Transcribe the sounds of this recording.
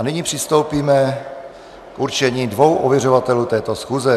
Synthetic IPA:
anɪɲipr̝̥ɪst̪o̞wpiːmɛ | kuɾt͡ʃɛɲiːdvowʔovjɛr̝ovat̪ɛluːt̪ɛːt̪o̞sxuːzɛ

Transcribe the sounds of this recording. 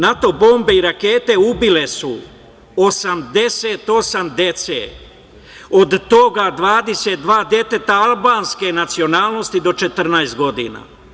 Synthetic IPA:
nat̪o̞bo̞ːmbe̞iɾake̞ːt̪e̞ubile̞su | osamd̪e̞set̪o̞samd̪e̞t̪sḛ | o̞d̪t̪o̞ɡad̪ʋaːd̪e̞se̞t̪̚d̪ʋaːd̪je̞t̪e̞t̪aalˠbaːnske̞nat̪sio̞naːlˠno̞st̪id̪o̞t͡ʃe̞t̪r̩najst̪̚ɡo̞d̪ḭːna̰

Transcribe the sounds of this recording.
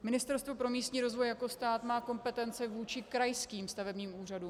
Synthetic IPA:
mɪnɪst̪ɛɾst̪vo̞pɾo̞miːst̪ɲiːɾo̞zvojako̞st̪aːt̪maːko̞mpɛt̪ɛnt͡sɪvuːt͡ʃɪkɾajskiːmst̪avɛbɲiːmuːr̝aduːm

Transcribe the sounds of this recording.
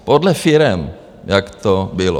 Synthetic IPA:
podlɛfɪɾɛm | jakt̪obɪlo̰

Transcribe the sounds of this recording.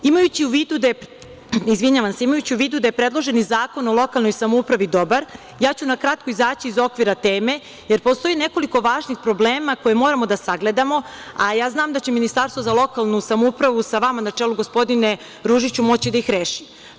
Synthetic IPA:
imajut͡ɕiuʋiːd̪ud̪ae | izʋiɲaʋanseimajut͡ɕiuʋiːd̪ud̪ajepɾed̪lˠo̞ʒe̞nizaːko̞no̞lˠo̞kalˠno̞jsamoupɾaʋid̪o̞baɾ | jaːt͡ɕunakɾat̪̚koizaːt͡ɕiːzo̞kʋiɾat̪e̞ːme̞ | jeɾpo̞st̪o̞jine̞ko̞liko̞ʋaːʒnixpɾo̞bleːmako̞jemo̞ɾamo̞d̪asaɡle̞d̪amo̞ajaːznaːmd̪at͡ɕe̞minist̪aɾst̪ʋozalˠo̞kalˠnusamoupɾaʋusaʋamanat͡ʂeːluɡo̞spo̞d̪ine̞ | ɾuːʒit͡ɕumo̞t͡ɕid̪aixɾeːʃi

